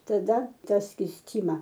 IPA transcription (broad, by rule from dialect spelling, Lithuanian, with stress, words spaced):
tɐˈdɐ ˈtɑː sʲkʲiːsʲˈtʲiːmɐ